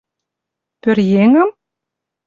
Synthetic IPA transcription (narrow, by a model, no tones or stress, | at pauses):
pørjeŋə̆m